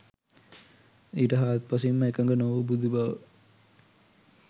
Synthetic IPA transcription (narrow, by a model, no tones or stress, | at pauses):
iːʈəɦaːt̪̚pɐs̬imːəekəŋɡənoʋəbud̪ubɐʋə̰